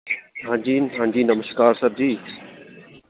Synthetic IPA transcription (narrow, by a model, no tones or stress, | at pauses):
ɦãːd͡ʒiːnɦãːd͡ʑiːnəməskaːɾsəɾd̪iː